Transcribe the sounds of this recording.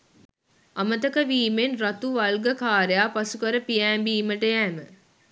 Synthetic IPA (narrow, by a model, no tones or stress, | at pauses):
ɐmət̪əkəʋiːmenrɐt̪uʋɐlɡəkaːɾejaːpasukəɾəpijæːmbiːməʈəjæːmə